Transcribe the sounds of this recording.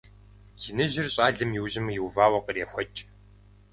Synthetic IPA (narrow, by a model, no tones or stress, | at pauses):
ɡinɨʑɪrɕʼaːɮɨmjɪwʑɪmjɪwvaːwɐqəreːxʷɐt͡ʃʼ